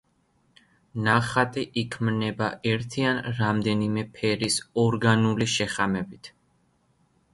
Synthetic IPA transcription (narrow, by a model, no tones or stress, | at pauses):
naχat̪ʼiʔikʰmnɛbaʔɛɾt̪ʰianɾamd̪ɛnimɛpʰɛɾisɔɾɡanuliʃɛχamɛbit̪ʰ